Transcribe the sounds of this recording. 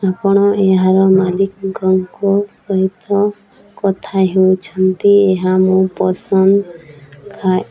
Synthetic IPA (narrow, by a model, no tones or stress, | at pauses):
apɔɽ̃ɔʔeɦaɾɔmalikɡɔŋkɔpɔɦit̪ɔ | kɔt̪ʰaɦewt͡ʃʰɔnt̪ieɦamũpɔsɔnd̪kʰa